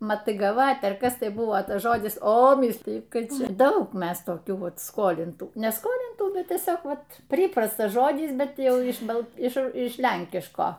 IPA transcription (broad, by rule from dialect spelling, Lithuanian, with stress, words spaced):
mɐtʲiːɡɐˈʋɐtʲ ɐr ˈkɐs tɐɪ ˈbʊʋoː ˈtɐs ˈʒoːdʲɪs oː ˈmʲiːsʲlʲɪjʊ ˈtɐɪ ˈt͡ʃʲɛ ˈdɐʊk ˈmʲɛs toːˈkʲuː ˈʋɐt ˈskoːlʲɪntuː nʲɛ ˈskoːlʲɪntuː ˈbʲɛt tʲiɛˈsʲoːk ˈʋɐt ˈpʲrʲiːprɐstɐs ˈʒoːdʲɪs ˈbʲɛt ˈjɛʊ ɪʃ ˈbɐ ɪʃ ˈɪʃ ˈlʲɛŋʲkʲɪʃkoː